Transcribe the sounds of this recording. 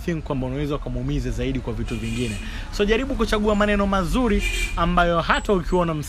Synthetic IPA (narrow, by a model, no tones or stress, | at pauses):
θiŋikwambaunawɛzawakamumizɛzaiɗikwavituviŋɡinɛ | sɔʄaɾiɓukut͡ʃaɠuamanɛnɔmazuɾiambajɔɦataukianam̩s